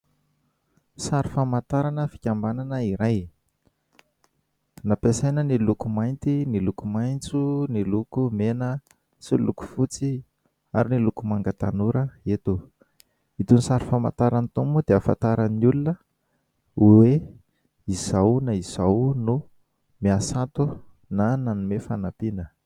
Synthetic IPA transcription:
saɾifamat̪aɾanəfi̥kʲambananəiɾaj | napesajnənilukumajnt̪inilukumajnt͡sunilukumenə | siluku̥fut͡si | aɾinilukumaŋɡət̪anuɾəet̪u | it̪unisaɾifama̰t̪aɾanit̪umbud̪eafa̰t̪aɾaniulunə | we | izawnaiz̥awnu | miasat̪u | nananumefanapinə

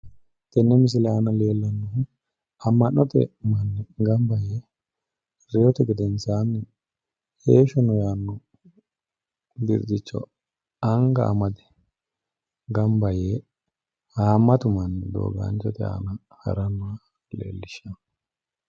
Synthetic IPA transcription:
t̪ɛnːɛmɪs̬ɪlɛaːnɐle̞ːlːɐnːɔ | ɐmːɐnːɔt̪ɛ̰mɐnːɡɐmbɐje | ɾɛjɔt̪ɛɡɛd̪ɛnsaːnːɛ | heːʃɔnɔjaːnːɔ | bɪɾd̪ɪt͡ʃːɔ̰ | ɐŋɡɐ̰ːmɐd̪ɛ̥ | ɡɐmbɐjeː | haːmːɐt̪ʊmɐnːd̪o̰ːɡa̰ːnt͡ʃːɔt̪ɛa̰ːnɐ | hɐ̰ɾɐnːɔa | lḛːlːɪʃɐn

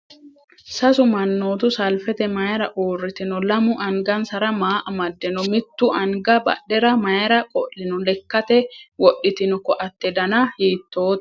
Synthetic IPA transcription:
sɐsʊmɐnːoːt̪ʊsɐlfɛt̪ɛmɐɛɾɐʔuːrːɪt̪ɪnʊlɐmʊʔɐŋɡɐnsɐɾɐmaːʔɐmɐd̪ːɛnʊmɪt̪ːʊʔɐŋɡɐbɐ̰ɗɛɾɐmɐjɛɾɐkʼɔlːɪnʊlɛkːɐt̪ɛwɔɗːɪt̪ɪnʊkɔʔɐt̪ːɛd̪ɐnahiːt̪ːoːt̪

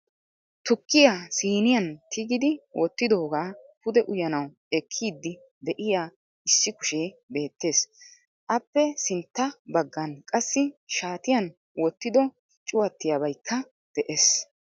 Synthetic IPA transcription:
t̪ʊkːɪjasiːnɪjɐnt̪ʰɪɡɪd̪ɪwʔɔt̪ːɪd̪o̞ːɡaːpʊd̪ɛʔʊjɐnɐw | ɛkʰːiːd̪ːɪ | d̪ɛʔɪjaː | ɪsːɪkʊ̥ʃeːbe̞ːt̪ːe̞ːs | ʔɐpːɛsɪnt̪ːɐbɐɡːɐnkʼɐsːɪʃaːt̪ɪjɐn | wɔt̪ːɪd̪ɔ | t͡ʃʼʊwɐt̪ːɪjabɐjkʰːɐ | d̪̥ɛʔes

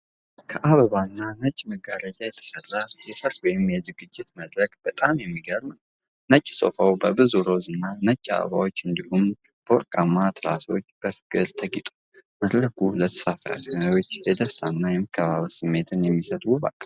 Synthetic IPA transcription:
kʰəʔaβəβanːanət͡ʃʼːməɡaɾəd͡ʒ̪ajɛt̪ʰə̥sərːajɛsət̪wɔjɪmjɛzɨɡɨd͡ʒːɪt̪məd̪ɾəkʼb̥ət̪ʼamjɛmːiɡəɾmn | nət͡ʃʼːso̰fəwbəbɨzuɾo̞zɨnːanət͡ʃʼːa̰βə̰βawo̞t͡ʃːɨnd̪ihum | b̥əɔ̰ɾkʼamːat̪ʰɨɾaso̞t͡ʃːb̥əfɨ̥kʼɨɾt̪ʰəɡit̪ʼu̥ | məd̪ləkulət̪ʰə̥safa̰kɨnawot͡ʃːfed̪əst̪ʰanːajɛməkʰːəβa̰βsɨmːe̞t̪ʰɨnjɛmːisət̪ʼwuba̰kʼː

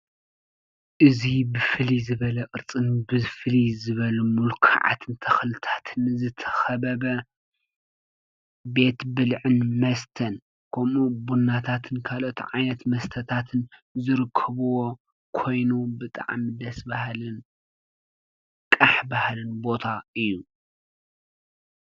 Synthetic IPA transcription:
ʔɨzibɨfɨlizɨβɐlɐʔʼɨɾt͡sʼɨnbɨfɨlizɨβɐlumulkʰa̰ʕa̰t̪ʰɨnt̪ʰɐxlɨt̪ʰḁt̪ʰɨnzɨt̪ʰɐ̥xɐbɐbɐ | be̞t̪bɨlʕɨnmɐst̪ʰɐn | kʰomubunːat̪ʰat̪ʰɨnkʰalo̞t̪ʕajnɐt̪mɐst̪ʰɐt̪ʰat̪ʰɨnzɨɾɨkʰːɐβuwo̞ | kʰo̞jnubɨt̪ʼa̰ʕmid̪ɐsbahlɨn | kʼaħbahlɨnbo̞t̪ʰaɨjːu

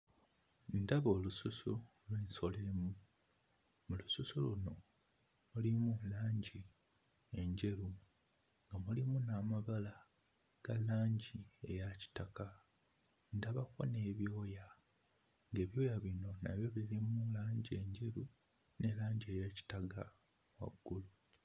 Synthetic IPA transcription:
ndaβo̞ːlususu | lweːnso̞lemu | mulususuluno̞ | mulimulaːɲɟi | e̞ɲɟe̞ɾu | ŋɡamulimunaːmaβala | ɡ̥alaːɲɟie̞̰jaci̥taka | ndaβako̞̰neːβjo̞ːja | ŋɡe̞ːβjo̞ːjaβino̞na̰βjo̞βilimulaːɲɟie̞ɲɟe̞ɾu | ne̞laːɲɟie̞ːjaci̥taɡa | wa̰ɡːulu

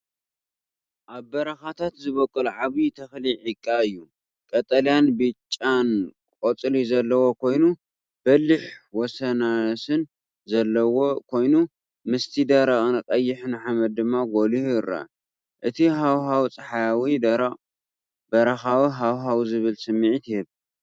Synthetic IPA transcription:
ʔaβbɐɾɐxat̪ʰat̪zɨβɐkʼːɨlʕaβit̪ʰɐxliʕikʼːaɨjːu | kʼɐt̪ʼɐlijanbɨt͡ʃʼːankʼot͡sʼɨlizɐlːɐwo̞kʰo̞jnu | b̥ɐlːiħwɔsɐnasɨn | zɐlːɐwokʰo̞jnu | mɨst̪ʰid̪ɐɾaɣʼnɨkʼɐjːɪħnɨħamɐd̪̚ːɨmːaɡolihɨra̰ | ʔɨt̪ʰiɦawɦawt͡sʼɐħajawid̪ɐɾɐχʼ | b̥ɐɾɐxawiɦawɦawzɨβɨlsɨmːiʕit̪ɪhɨβ

